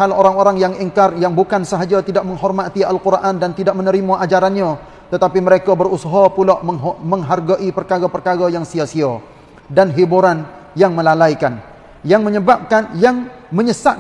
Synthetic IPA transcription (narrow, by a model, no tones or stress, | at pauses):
aloɾaŋoɾaŋjaŋiŋkarjaŋbukansəɦad͡ʒat̪idaʔ̚məŋɦɔrmat̪ialkurʔandant̪idak̚mənəɾimaʔad͡ʒaɾanɲa | t̪ət̪apiməɾekabərusaɦɔpulaʔməɦməŋɦarɡaʔipərkaɾapərkaɾajaŋsiasia | danɦibuɾan | jaŋməlalajkan | jaŋməɲəbap̚kanjaŋməɲəsat̪̚